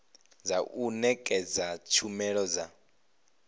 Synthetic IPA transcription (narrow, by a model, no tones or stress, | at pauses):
zaʔunɛkʼɛd͡zat͡ʃʰumɛɺɔd͡za